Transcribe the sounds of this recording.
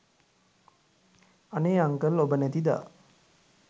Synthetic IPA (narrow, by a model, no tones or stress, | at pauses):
aneaŋkəlobənæt̪id̪a̰ː